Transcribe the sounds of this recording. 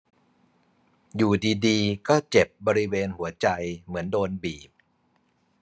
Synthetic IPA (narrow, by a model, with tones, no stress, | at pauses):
juː˨˩diː˧diː˧kɔː˥˩t͡ɕe˨˩p̚bɔː˧ɾi˦˥weː˧nhu˩˦ɐt͡ɕa˧jmɯ˩˦əndoː˧nbiː˨˩p̚